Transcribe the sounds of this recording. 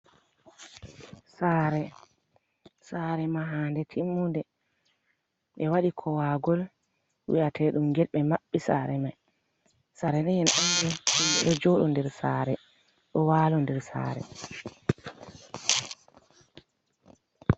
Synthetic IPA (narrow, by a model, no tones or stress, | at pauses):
saːɾɛ | saɾɛmaɦaːndɛtʰimːundɛ | ɓɛwaɗikʰɔwaɡɔl | wḭʔatʰɛɗumɡɛlɓɛmaɓːisa̰ɾɛmaj | saɾɛnɛjɛnʔandɛumbɛ̰ɗɔd͡ʒɔɗɔndɛɾsa̰ːɾɛ | ɗɔwaːlɔndɛɾsa̰ːɾɛ̰